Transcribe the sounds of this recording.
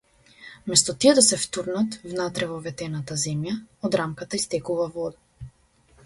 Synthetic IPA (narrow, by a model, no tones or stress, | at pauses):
mɛst̪ɔt̪iɛd̪asɛft̪uɾnat̪vnat̪ɾɛvɔvɛt̪ɛnat̪azɛmjaɔd̪ɾamkat̪aist̪ɛkuvavɔd̪a